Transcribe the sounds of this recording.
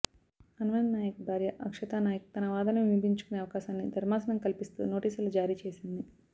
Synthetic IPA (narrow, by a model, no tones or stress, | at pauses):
ɐnuʋɐnnaːjɐkubʱaːɾjɐʔɐkʂɐt̪aːnaːjɐk̚ut̪ɐnɐʋaːd̪ɐneʋibʱiɲt͡ʃu̥kune̞ːɐʋɐkaːʃaːnːid̪ʱɐɾmaːsɐnɐmkɐlipist̪ṵːno̞ːʈiːsulɐd͡ʒaːɾiːt͡ʃe̞ːsind̪i